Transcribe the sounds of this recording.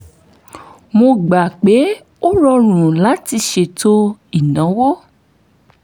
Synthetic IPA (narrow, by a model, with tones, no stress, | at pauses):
mo˧ɡ͡ba˨k͡pe˨˦ | o˦ɾɔ˧ɾ̃ũ˨la˨˦ti˧ʃe˧˨to˦i˦˨nã˨˦wo˦